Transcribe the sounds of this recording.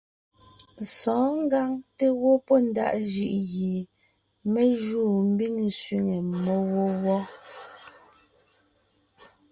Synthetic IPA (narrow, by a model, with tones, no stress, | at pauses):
sɔ̃ː˨˦ŋ˦ɡa˦ŋte˦wɔ˦pɔ˦n̩˦da̰˦˨ʔd͡ʒi˨ʔɣi˨ | me˦ʒuː˦˨m̩˦bi˦˨ŋn̩˨sɥi˦ŋe˨mɔ˦wɔ˦wɔ˦